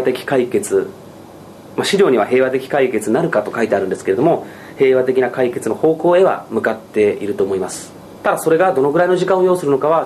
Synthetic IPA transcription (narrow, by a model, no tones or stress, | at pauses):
t̪e̞kʲi̥kaike̞t͡sɨ | maɕiɾʲo̞ːɲ̟iβ̞aɦe̞ːβat̪e̞kʲi̥kaike̞t͡sɨnaɾɯ̟kat̪o̞kait̪e̞aɾɯ̟nd̪esɨ̥kee̞d̪o̞mo̞ | he̞ːβat̪e̞kʲinakaike̞t͡sɨno̞ho̞ːko̞ːe̞βa̰mɯ̟kat̪ːe̞iɾɯ̟t̪o̞ːmo̞imasɨ̥ | t̪ad̪aso̞ɾe̞ɡad̪o̞noɡɯ̟ɾainoʑikãɰ̃ojo̞ːsɨɾɯno̞kaβa